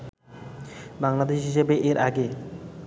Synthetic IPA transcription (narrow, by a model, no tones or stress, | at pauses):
baŋlad̪eʃisebeʔiɾʔaɡe